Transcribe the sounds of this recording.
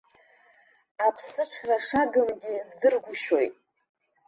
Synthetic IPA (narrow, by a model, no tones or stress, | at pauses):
apʰsɨʈ͡ʂʰraʂaɡɨmɡʲizdɨrɡʷʊʃo̞jtʼ